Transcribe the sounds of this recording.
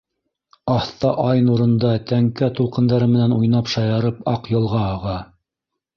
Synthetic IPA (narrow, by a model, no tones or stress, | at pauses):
ɑθt̪ɑʔɑjnuɾɤ̆nd̪ɑt̪æŋkæt̪ulˠqɤ̆nd̪ɑɾɤmɘ̆nænujnɑpʃɑjɑɾɤpɑqjɤ̆lˠʁɑɑʁɑ